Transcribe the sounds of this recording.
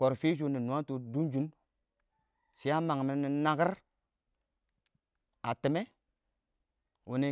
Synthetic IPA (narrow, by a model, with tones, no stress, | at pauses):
ko˨ɾfi˦ʃ̬u˦ni˨nu˨a˦tu˨du˦nd͡ʒu˦n | si˨˦a˦ma˨ŋ˨mi˨ni˨na˦ɡi˦ɾ | a˨ti˨me˦ | wu˨ni˨